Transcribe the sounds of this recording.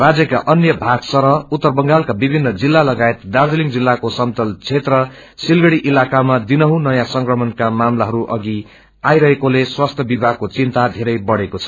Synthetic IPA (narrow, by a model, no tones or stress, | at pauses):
rad͡zjʌka̰ʔʌnjʌbʱaɡsʌɾʌut̪ːʌrbʌŋɡalkabibʱinːʌd͡zilːalʌɡaet̪d̪ard̪iliŋd͡zilːakosʌnt̪ʌlt͡sʰet̪rʌ | silɡʌɽiʔilakamad̪inʌɦũnʌjãsʌŋkrʌmʌnkamamlaɦʌɾuʔʌɡi | ajɾʌɦekoleswast̪ʰjʌbibʱaɡ̚kot͡sint̪ad̪ʱeɾʌjbʌɽekot͡sʰʌ̥